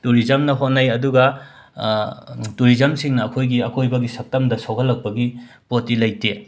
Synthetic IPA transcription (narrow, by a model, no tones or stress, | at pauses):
tuɾizɐmnɐɦonɐjɐduɡɐ | tuɾizɐmsiŋnɐːkʰojɡiɐkʰojbɐɡisɐk̚tɐmdɐsawkʰɐlːɐk̚pɐɡi | potilɐjte